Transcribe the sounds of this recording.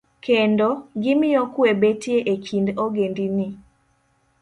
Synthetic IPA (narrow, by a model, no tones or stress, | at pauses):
kendoɡɪmɪɔkwebetjeʔekindoɡendini